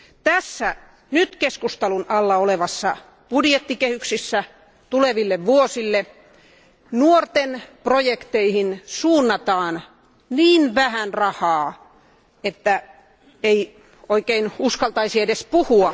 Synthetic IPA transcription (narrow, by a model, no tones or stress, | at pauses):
t̪æsːæ | nyt̪keskust̪ɑlunʔɑlːɑoleʋɑsːɑ | b̥udjet̪ːikehyksisːæ | t̪uleʋilːeʋʋuosilːe | nuort̪enprojekt̪eihinsuːnːɑt̪ɑːn | niːnʋæhænrɑhɑː | et̪ːæ | ei | oikeinuskɑlt̪ɑisiedespuhuɑ